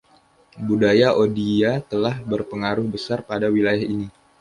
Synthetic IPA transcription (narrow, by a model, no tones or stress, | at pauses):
budajaʔodiat̪əlahbərpəŋaɾʊhbəsarpadawilajahini